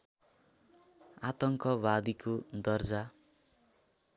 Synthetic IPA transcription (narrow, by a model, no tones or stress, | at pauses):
at̪ʌŋkʌbad̪ikod̪ʌrd͡za